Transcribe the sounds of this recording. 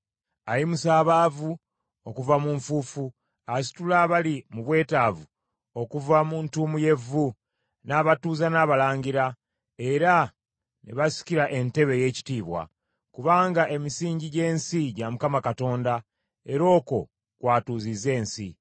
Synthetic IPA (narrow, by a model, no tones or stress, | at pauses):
ajimusaːβaːvu | o̞kuvamuɱfuːfu | asi̥tulaβalimuβwe̞ːtaːvu | o̞kuvamuntuːmuje̞vːu | naːβatuːzanaːβalaːɲɟiɾa | e̞ɾa | nḛβasi̥ciɾaʔe̞nte̞βe̞je̞ːci̥tiːβwa̰ | kuβaːŋɡaʔe̞misiːɲɟiɟe̞ːnsiɟamukamakato̞ːnda | e̞ɾo̞ːko̞ | kwaːtuːzize̞ːnsḭ